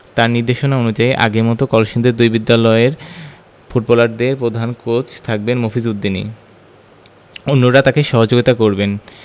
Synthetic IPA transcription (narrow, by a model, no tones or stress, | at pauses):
t̪aɾniɾd̪eʃonaonud͡ʑaiʔa̰ɡeɾmɔt̪okɔlʃind̪eɾd̪ujbid̪ːalɔeɾ | fuʈ̚bɔlaɖd̪eɾpɾod̪ʱankot͡ɕt̪ʰak̚benmofʰizud̪ːinḭ | onːoɾat̪akeʃɔɦod͡ʑoɡit̪akoɾben